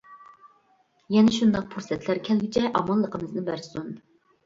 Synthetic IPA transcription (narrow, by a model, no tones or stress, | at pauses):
jɛnɛʃund̪ɑq̚pʰuɾsɛt̪ʰlæɾkʲʰɛlɡʲɪt͡ʃʰɛʔɑmɑlˠːəqʰəmɨznɨbæɾsun